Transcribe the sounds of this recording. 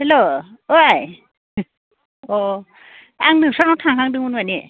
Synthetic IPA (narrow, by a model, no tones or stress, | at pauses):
helooj | ɔ | aŋnɯŋsanɔwtʰaŋɦʰaŋdɯŋunwani